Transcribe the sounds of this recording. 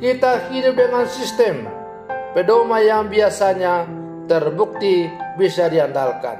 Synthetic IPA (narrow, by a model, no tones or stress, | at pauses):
kit̪ahidʊp̚dəŋansist̪ɛm | pədomajaŋbiasaɲa | t̪ərbuk̚t̪ibisadiandalka̰n